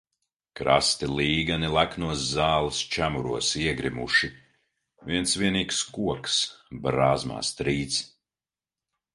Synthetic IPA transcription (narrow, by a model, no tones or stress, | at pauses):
kɾa̰st̪iliːɡanilˠæknuɔsːaːlˠist͡ʃæmuɾuɔsiɛɡɾimṵʃi | viɛnsviɛniːkskuɔksbɾaːzma̰ːst̪ɾiːt̪s